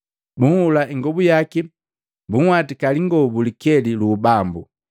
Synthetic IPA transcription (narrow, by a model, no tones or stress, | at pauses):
buŋhulaiŋɡɔbujaki | buŋ̩watikaliŋɡɔbulikɛliluːbambu